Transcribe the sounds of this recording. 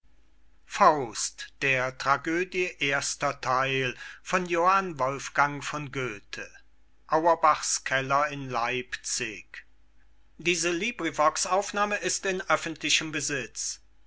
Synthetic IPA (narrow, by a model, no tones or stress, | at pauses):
faʊstd̥eːɐtʁ̥aɡøːdjəʔeːɐstɐtʰaɪlfɔnjohanvɔlfɡ̥aŋfɔnɡøːtʰə | ʔaʊɐbaχskʰɛlɐɪnlaɪpt͡sɪk | diːzəliːbʁivɔksʔaʊfnaːməɪstɪnʔœfn̩tʰlɪʃəmbəzɪt͡s